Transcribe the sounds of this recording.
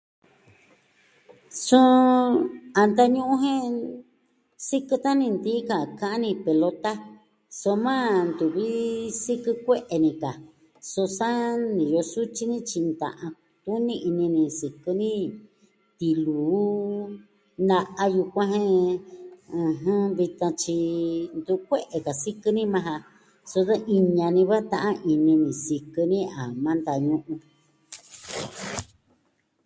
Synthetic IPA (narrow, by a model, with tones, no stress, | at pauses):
sũ˦ | a˧nd̪a˧ɲũ˦ʔũ˦ɦẽ˦ | si˦kɨ˧t̪a˦nĩ˧nd̪iː˦ka˨kã˧˦ʔã˦nĩ˧pe˨lo˧t̪a˦ | so˧mãː˦nd̪u˨βi˦si˦kɨ˧kʷe˦ʔe˧nĩ˧ka˨ | so˧sa˦nĩ˨jo˧su˦t͡ʃi˦nĩ˦t͡ʃi˧nd̪ã̰˨ʔã˧ | t̪u˦nĩ˦˧ʔi˧nĩ˧nĩ˧si˨kɨ˧nĩ˦ | t̪i˧luː˨˦ | na˧ʔa˧ju˧kʷã˦ɦẽ˦ | ɨ̃˧ɦɨ̃˦βi˧t̪ã˧t͡ʃi˧nd̪u˧kʷe˦ʔe˨ka˨si˦kɨ˧nĩ˦mã˧ɦã˧ | so˧ða˦ʔi˧ɲã˧nĩ˧βa˦t̪ã˧ʔã˦ʔi˧nĩ˧nĩ˨si˧kɨ˧nĩ˦a˨mã˦nd̪a˧˨ɲũ˧ʔũ˧